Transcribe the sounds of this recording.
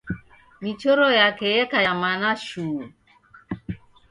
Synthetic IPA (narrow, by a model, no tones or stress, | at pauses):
mit͡ʃoɾojakejɛkajamanaʃu